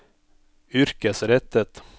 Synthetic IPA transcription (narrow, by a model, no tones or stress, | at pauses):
ʏɾkəsɾɛt̪ːət̪